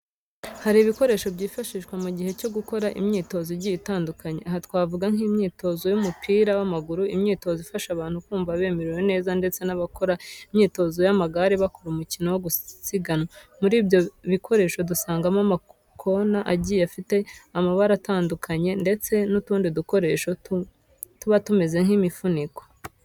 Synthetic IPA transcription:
haɾiβiko̞ɾe̞ːʃo̞bɟiːfaʃiʃkwamuɟihe̞co̞ɡuko̞ɾaʔḭmɲiːto̞zoɟijitaːndukʰaɲe̞̰aɦatwaːvuɡaŋ̥himɲiːto̞zo̞jumupʰiːɾawamaɡuɾuimɲiːto̞zifaʃaβaːnhukuːɱvaβe̞ːmeɾiwe̞ne̞ːzande̞t͡se̞naβako̞ɾaimɲiːto̞zo̞jamaɡaɾiβakoɾumucino̞woɡusiɡanomuɾiːbjo̞βikʰo̞ɾe̞ːʃo̞dusaːŋɡamama | kʰo̞naʔaɟijafite̞amaβaɾataːndukʰaɲe̞nde̞t͡se̞nutuːndiduko̞ɾe̞ːʃo̞t | tuβatume̞ze̞ŋ̥himifunikwḁ

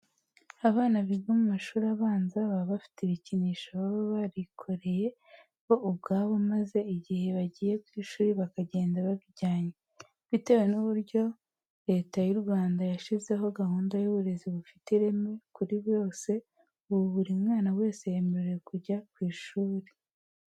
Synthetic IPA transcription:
aβaːnaβiβɡomumaʃuːɾaβaːnzaβaβafi̥tiβiciniːʃaβaβoβaɾikʰo̞ɾe̞je̞ | ɡo̞ʔubɡaːβo̞maze̞iɟihe̞βaɟiːje̞kwiːʃuːɾiβakaɟe̞ːndaβaɡiɟaːɲe | βite̞wenuβuɾɟo̞ | ɾe̞ːtajuɾɡwaːndajaʃize̞ɦo̞ɡahuːndajuβuɾe̞ziβufi̥teɾe̞me̞kuɾiβjo̞ːse̞ | uβuβuɾimŋaːnawe̞ːse̞jaemeɾejekuɾɟakwiːʃuːɾe

